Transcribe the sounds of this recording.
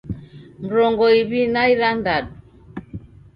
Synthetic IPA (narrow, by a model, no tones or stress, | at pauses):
m̩ɾɔŋɡɔiβinaiɾandadu